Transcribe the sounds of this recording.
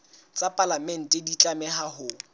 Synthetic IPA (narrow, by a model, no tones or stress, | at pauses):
t͡sʼapʼalamɛn̩tʼɛdit͡ɬʼamɛhahʊ